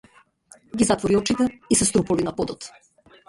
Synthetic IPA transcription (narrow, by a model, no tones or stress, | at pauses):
ɡizat̪vɔɾiɔt͡ʃit̪ɛisɛst̪ɾupɔvinapɔd̪ɔt̪